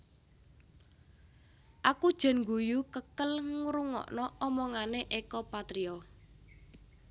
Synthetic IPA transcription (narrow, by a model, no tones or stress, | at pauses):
ʔakud̥ʒ̥ɛ̤nŋɡujukəkəlŋɾuŋɔ̰ʔnɔɔmɔŋaneʔekɔpat̪ɾiɔ